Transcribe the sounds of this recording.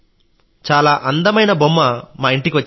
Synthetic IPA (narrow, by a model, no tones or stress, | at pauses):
t͡ʃaːlaːʔɐnd̪ɐmɐjnɐbomːɐmaːiɳʈikiʋɐt͡ʃː